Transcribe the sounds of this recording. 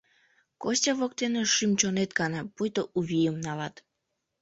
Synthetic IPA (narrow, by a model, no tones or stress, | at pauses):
kosʲtʲɑβok̚t̪eneʃymt͡ɕonet̪̚ɡɑnɑpujt̪oʔuβʲijəmnɑlɑt̪